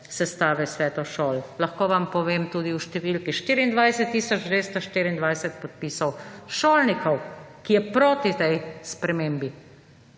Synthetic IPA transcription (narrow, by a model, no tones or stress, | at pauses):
sɛst̪aːʋɛsʋɛːt̪ɔʃoːllɐxkoːʋampɔʋeːmt̪uːd̪iwʃt̪ɛʋilkiʃt̪iːɾiːnd̪ʋajsɛt̪ːiːsɔd͡ʒd̪ʋeːst̪ɔʃt̪iɾiːnd̪ʋajsɛt̪̚pɔt̪̚piːsɐwʃoːlnikɔwkijɛpɾoːt̪it̪ɛjspɾɛmeːmbi